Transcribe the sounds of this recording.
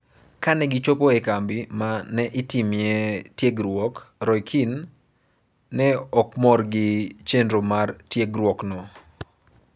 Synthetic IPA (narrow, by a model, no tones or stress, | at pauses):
kanɛɡɪt͡ʃopoɛkambɪmanɛʔɪtimjetjeɡɾwɔkɾɔjkʰin | ɛɔkmɔrɡɪt͡ʃendɾomartjeɡɾwɔknɔ